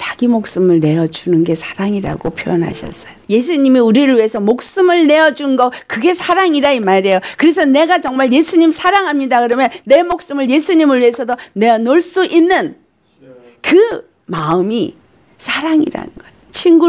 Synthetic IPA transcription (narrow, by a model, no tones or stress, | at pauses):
t͡ɕaɡimok̚s͈ɯmɯɭne̞ʌd͡ʑunɯnɡe̞sʰḁɾaŋiɾa̰ɡopʰjojʌnɦa̰ɕʰʌ̰s͈ʌjoje̞s̬ʰuɲimiuɾiɾɯɭɥiɦe̞sʰʌmok̚s͈ɯmɯɭne̞ʌd͡ʑunɡʌkɯɡe̞sʰaɾaŋiɾaimaɾe̞jokɯɾe̞s̬ʰʌne̞ɡat͡ɕʌŋmaɭje̞sʰuɲimsʰaɾaŋɦamɲidakɯɾʌmjʌnne̞mok̚s͈ɯmɯɭje̞sʰuɲimɯɭɥiɦe̞sʰʌdone̞anoɭs͈uʔinːɯn | kɯ | maɯmi | sʰaɾaŋḭɾa̰nɯnɡʌ | t͡ɕʰinɡu